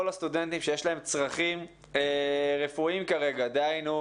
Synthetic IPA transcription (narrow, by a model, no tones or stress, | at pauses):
olast̪ud̪e̞nt̪imʃe̞je̞ʃlae̞mt͡sʁaχim | eʁe̞fuimkaʁe̞ɡad̪eajnu